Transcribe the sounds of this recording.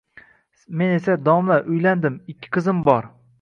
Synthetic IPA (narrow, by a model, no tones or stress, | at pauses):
me̞ne̞sad̪ɒmlaʔʊjland̪ɪmɪkʲʰːɪ̥qʰɨzɪmbɒɾ